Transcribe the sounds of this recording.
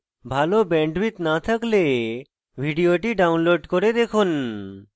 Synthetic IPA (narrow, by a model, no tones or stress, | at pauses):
bʱalobɛɳɖbit̪nat̪ʰakle | bʱiɖioʈiɖawnloɖkoɾed̪ekʰun